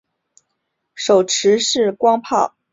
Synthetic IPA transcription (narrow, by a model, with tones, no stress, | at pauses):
ʂo˨˩ʊʈ͡ʂʰɻ̩˧˥ʂɻ̩˥˩kwɑ˥ŋpʰɑ˥˩ʊ